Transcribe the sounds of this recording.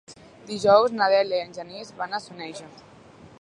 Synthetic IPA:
d̪iʒɔwznaðɛliənʲʒənizβanəsunɛʃə

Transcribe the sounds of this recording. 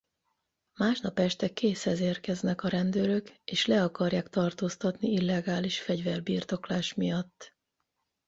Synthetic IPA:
maːʃnɒpɛʃt̪ɛkeːshɛzeːrkɛznɛkɒɾɛnd̪øːɾø̞keːʃlɛɒkɒrjaːkt̪ɒrt̪oːst̪ɒt̪niilːɛɡaːliʃfɛɟvɛrbiːrt̪o̞klaːʃmijɒt̪ː

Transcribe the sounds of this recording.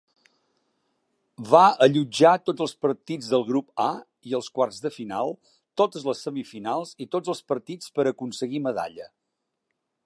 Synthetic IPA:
βaəʎud͡ʒat̪od͡zəlˠspəɾt̪id͡zðəlˠɣɾupa | iəlˠskwarzðəfinalˠ | t̪ot̪əzləsːəmifinalˠzit̪od͡zəlˠspəɾt̪it͡spəɾəkunsəɣiməða̰ʎə

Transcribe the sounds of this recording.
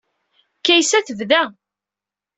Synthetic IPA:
kæjsæθəvðæ

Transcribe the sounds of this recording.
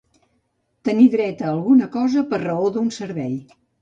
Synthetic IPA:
t̪əniðɾɛt̪əːlˠɣunəkɔzəpəɾrəoðunsəɾβɛj

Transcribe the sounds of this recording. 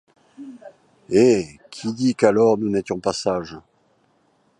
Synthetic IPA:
ekʲʰid̪ikalɔʁnunet̪jɔ̃pasaʒ

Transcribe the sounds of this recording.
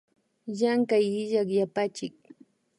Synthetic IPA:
jaŋkajɪʎakjapat͡ʃɪk̚

